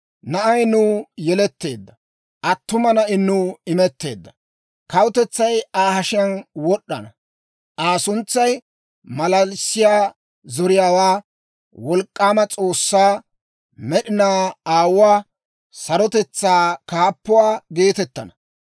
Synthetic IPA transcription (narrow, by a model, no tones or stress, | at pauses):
nɐʔɐjnʊːjɛlɛt̪ːe̞ːd̪ːɐ | ʔɐt̪ːʊmɐnɐʔɪnːʊɪmɛt̪ːe̞ːd̪ːɐ | kɐwʊt̪ɛt͡sːɐjaːhɐʃɪjɐnwɔɗːɐnɐ | ʔaːsʊnt͡sːɐj | mɐlɐlsːɪjaː | zɔɾɪjaːwaː | wɔlkʼːaːmɐt͡sʼo̞ːsːaː | mɛɗɪnaːaːwwaː | sɐɾɔt̪ɛt͡sːaːkaːpːʊwaːɡe̞ːt̪ɛt̪ːɐnɐ